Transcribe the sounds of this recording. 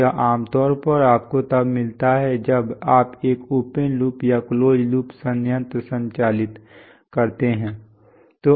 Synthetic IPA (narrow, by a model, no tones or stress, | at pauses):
aʔaːmt̪ɔːɾpɐɾaːp̚kot̪ɐbmɪlt̪aɦɛd͡ʒɐbaːpeːkuːpənluːpjakloːd͡ʒluːpsə̃njə̃nt̪ɾsə̃ɲt͡ʃaːlɪt̪ | kɐɾt̪eɦɛ̃ː | t̪o